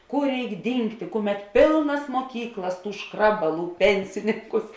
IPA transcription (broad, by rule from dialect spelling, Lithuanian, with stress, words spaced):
ˈkʊr ˈrʲɛɪk ˈdʲiːŋktʲeː ˈkʊˌmʲɛt ˈpʲeːlˠnɐs muɔˈkʲiːklˠɐs ˈtuː ˈʃkrɑːbɐˌlˠuː ˈpʲɛnʲsʲɪnʲɪŋkʊs